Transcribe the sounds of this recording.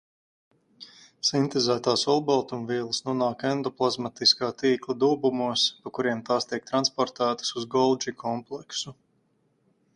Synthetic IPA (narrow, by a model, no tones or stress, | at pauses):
sint̪ezæːt̪aːsɔlˠbɔlˠt̪umviɛlˠɨsnuɔnaːkɛnd̪ɔplˠazmat̪iskaːt̪iːklˠad̪uːbumuɔspakuɾiɛmt̪aːst̪iɛk̚t̪ɾanspɔɾt̪æːt̪ḁsuzɡɔlˠd͡ʒikʰɔmplˠɛksu